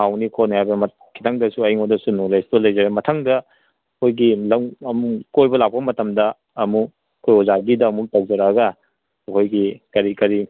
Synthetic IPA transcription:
awnikʰonajabemɐ | kʰi̥tʰaŋdɐsuɐiŋodɐsunulejstolɐjzɐɾemɐtʰaŋdɐ | kʰojɡilɐɐmukojbɐlak̚pɐmɐtɐmdɐ | ɐmu | kʰojɔzaɡidɐːmutak̚zɐɾaɡɐ | ɐkʰojɡikɐɾikɐɾi

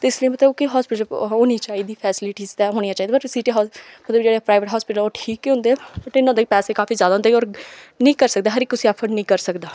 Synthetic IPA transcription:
t̪eːɪsləiːmət̪ləbkɪɦɔːspɪʈəoːnĩːt͡ʃaːiːd̪iːpʰɛːsɪlɪʈiːzɛːɦoːɽijãːt͡ʃaːid̪aːbəʈsiːʈeːɦɔːmət̪ləbd͡ʒeːɽeːpɾaːɪʋəʈɦɔːspɪʈəloːʈʰiːkːiɦʊ̃nd̪eɛːbəʈɪnːʊnd̪ekipɛːseːkaːfʰiːzjaːd̪aɦʊnd̪eɔːɾnĩːkəɾsək̚d̪aːɦəɾɪkːʊsiːɛpʰəɾnĩːkəɾsəkd̪aː

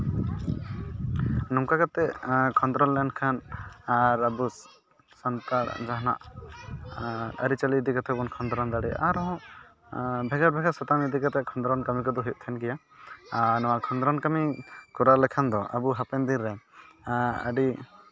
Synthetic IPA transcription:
nɔmkakat̪ɛʔkʰɔnd̪ɾɔnlɛnkʰanaɾabusː | ɔnt̪aɽd͡ʒaɦna̰ʔ | ə̰ɾit͡ʃalid̪ikat̪ʰɛbɔnkʰɔnd̪ɾɔnd̪aɽɛʔaɾɔɔ̃ | bʱɛɡaɾbʱɛɡaɾsɔt̪amid̪ikat̪ɛʔkʰɔnd̪ɾɔnkamikɔd̪ɔɦit̪̚t̪ʰɛnkɛja | nɔwakʰɔnd̪ɾɔnkamikuɾalɛkʰand̪ɔʔa̰buɦapɛnd̪iɾːɛ | ə̰ɖi

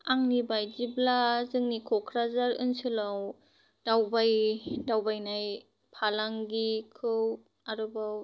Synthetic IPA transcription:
aŋnibajziblazɯŋnikʰɔkʰɾazaɾɯ̰nsɯlaw | dawbajdawbajnaj | pʰalaŋɡikʰɯw | aɾɯbaw

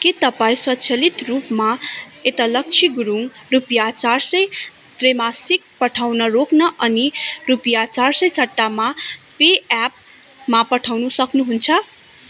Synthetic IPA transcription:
ket̪ʌpaĩswʌt̪t͡sʰʌlit̪rupmaet̪alʌk̚t͡sʰiɡuɾuŋrupjat͡sarsʌj | t̪remasik̚pʌʈʰawnʌɾoknʌʔʌnirupjat͡sarsʌjsʌʈːamapeap̚ | mapʌʈʰawnusʌknuɦunt͡sʰʌ

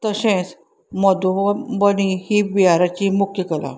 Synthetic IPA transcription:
t̪əɕɛ̃t͡s | mɔd̪ubənihibiaɾat͡ɕimukʰjəkəla̰

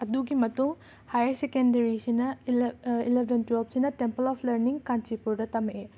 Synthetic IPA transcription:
ɐduɡimɐtuŋ | hajɐɾsekendɐɾisinɐ | ilebʱentuop̚sinɐtempɐlɔpʰlɐɾniŋkant͡ʃipuɾdɐtɐmʔe

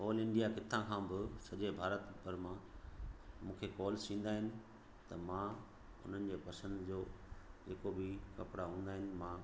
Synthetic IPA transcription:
oːlɪ̃ɳɖijakɪt̪ʰãkʰãːbɪsɐʄebʱaːɾət̪bɐɾmã | mũːkʰekɔːlsĩːn̆d̪aːɦɪnɪ̆ | t̪ɐmã | ʊ̰n̤ənɪ̆d͡ʑeːpɐsə̃nd̪d͡ʑoːd͡ʑeːkobɪkɐpɪɽaɦũːnd̪aːɦɪnɪ̆mãː

